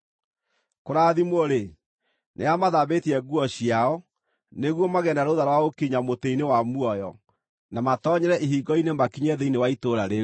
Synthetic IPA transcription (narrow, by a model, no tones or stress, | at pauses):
koɾaːðimoɾe | nʔḛamaðabetiɛɡuɔɕiaɔ | neɣwɔmaɣɛnaɾoðaɾwaokiɲamoteinewamuɔjɔ | namatɔɲɛɾɛʔiɦiɡɔinemakiɲɛðeinewaitoɾaɾe